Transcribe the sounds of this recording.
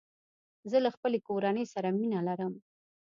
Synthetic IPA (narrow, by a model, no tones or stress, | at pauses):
zəlaxpəlekoɾanəjsaɾaminalaɾəm